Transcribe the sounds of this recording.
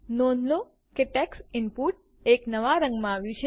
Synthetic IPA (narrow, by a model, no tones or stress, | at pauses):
nonlo | keʈɛksɪmpuʈ̚ | eknəʋaɾə̃ŋɡmãaʋjũt͡ʃʰe